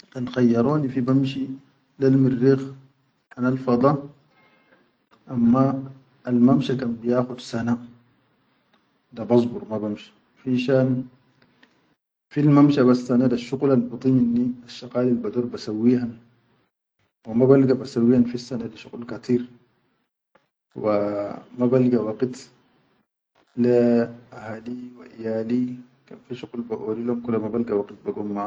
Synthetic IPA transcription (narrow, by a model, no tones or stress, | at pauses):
kanxajːɑɾˤoːnifibamʃi | lalmirːix | ħanalfɑd̪ˤɑ | ʔamːaː | lmamʃakanbijaːxud̪sana | d̪abɑsˤbuɾˤmabamʃḁ | finʃaːn | filmamʃaβasːanadaʃːuɣlalbɨt̪ˤiminːiaʃːaqaːlilbad̪oːɾbasawːiːhan | wamabalɡabasawːiːhanfisːanad̪aʃuqlkat̪ʰiːɾ | wamabalɡawaɡit̪ | laʔahaːliwa̰ʔijaːli | kamfiʃuqlbaʔolilumkulːamabalɡawaɡit̪̚baɡumːa